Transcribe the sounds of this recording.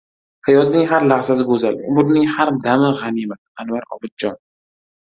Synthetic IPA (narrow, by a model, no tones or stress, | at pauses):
hajɒd̪nɪŋɦaɾlaʁzasɪɡɵzalʊmʊɾnɪŋhaɾd̪amɪʁanimad̪anwaɾɒ̰bɪd̪̚d͡ʒɒn